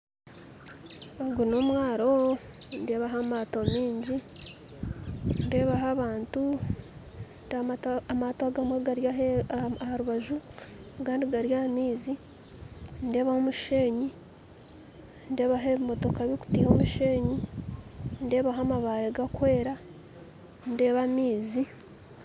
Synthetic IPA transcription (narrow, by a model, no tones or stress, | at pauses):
oɡunoːmwaːɾo̞ | ndeːβaɦamaːto̞miːɲɟi | nde̞ːβaɦaβaːntu | ndamatoɡamweɡaɾjaɦehaɾuβaʒu | ɡaːndiɡaɾjaːmiːzi | nde̞ːβahomuʃeːɲi | nde̞ːβaɦeβimo̞to̞kaβiku̥tihomuʃe̞ːɲi | nde̞ːβaɦamaβaɾeɡakwe̞ːɾa | nde̞ːβamiːzi